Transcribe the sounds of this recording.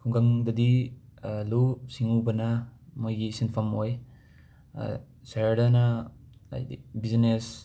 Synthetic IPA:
kʰuŋɡaŋdɐdi | lusiŋubɐnɐmojɡisinpʰɐmoj̰ | seɾdɐnɐa̰jdibiznes

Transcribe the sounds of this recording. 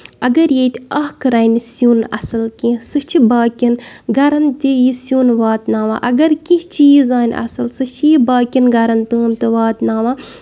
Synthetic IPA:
ɐɡɐɾjet̪ʲɐɦkɨɾɐnsjuːnɐ̰sɐlkĩːsɨt͡ʃʰibaːkʲinɡɐɾɐnt̪ijisjuːnʋaːt̪naːʋa̰ːʔɐɡɐɾkiʃt͡ʃiːzaːnʲʔɐ̰sɐlsɨt͡ʃʰijibaːkʲinɡɐɾɐnt̪ɨːmt̪ɨʋaːt̪naːʋãː

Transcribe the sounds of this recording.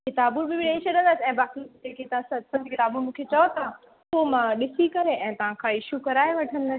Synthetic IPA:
kɪt̪aːbubʱɪbʱɪɗẽĩt͡ɕʰɐɗə̃nd̪əsɛ̃ːbaːkid͡ʑeːket̪ɐʋ̤ãsɐsɐ̃nd̪ʱkɪt̪aːbumũːkʰet͡ɕɐot̪ʰã | pomãɗɪsikɐɾeʔɛ̃ːt̪ɐʋ̤ãkʰãɪʃukɐɾaːeʋɐʈʰənd̪əsɪ̥̆

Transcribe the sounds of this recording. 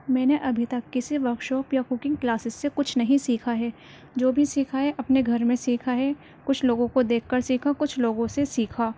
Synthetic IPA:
mɛ̃ːneʔɐbʱit̪ɐkːɪsiʋɐkʃoːpjakʊkɪ̃ŋɡklaːsɪsːekʊt͡ʃʰnɐɦĩsiːkʰaɦɛː | d͡ʒoːbʱisiːkʰaɦɛʔɐpneɡʱɐɾmẽsiːkʰaɦɛː | kʊt͡ʃʰloːɡõkod̪eːkʰːɐɾsiːkʰakʊt͡ʃʰloːɡõsesiːkʰaː

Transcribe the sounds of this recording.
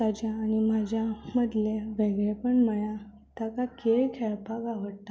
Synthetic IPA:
t̪ad͡ʑjaːñim̤ad͡ʑʱjaməd̪leʋeɡɭepəɳməja | t̪akakeɭkʰɛɭpaɡaʋəɽt̪a

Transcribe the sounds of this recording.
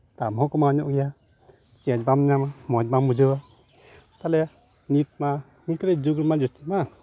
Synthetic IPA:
t̪amɦɔ̃kɔmaɔɲɔʔɡɛja | t͡ʃiãd͡ʒbamnamamɔd͡ʒ̚bambud͡ʒɔwa | t̪alɛ | nit̪̚ma | ŋikɾɛd͡ʒuɡɾimad͡ʒust̪ima

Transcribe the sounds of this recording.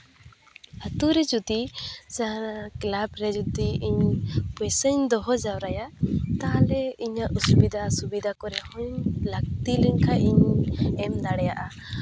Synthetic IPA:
ət̪uɾɛd͡ʒut̪isanaklabɾɛd͡ʒut̪iiɲpɔjsəɲd̪ɔɦɔd͡ʒawɾajat̪alɛiɲaʔusubid̪ʱasubid̪ʱakɔɾɛhɔɲlak̚t̪iliɲkʰaʔiɲɛmd̪aɽɛjaʔa

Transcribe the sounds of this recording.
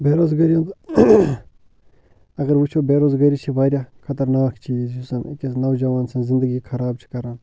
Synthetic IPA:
beːɾoːzɡɐɾijõnt̪ | ɐɣɐɾʋut͡ʃʰobeːɾozɡɐɾit͡ʃʰibaːɾjaːkʰɐt̪ɐɾnaːkt͡ʃʰiːzjusɐnkʲesnɐwd͡ʒɐʋaːnsɐnzɪ̃nd̪əɡikʰɐɾaːb̚t͡ʃʰi̥kɐɾaːn

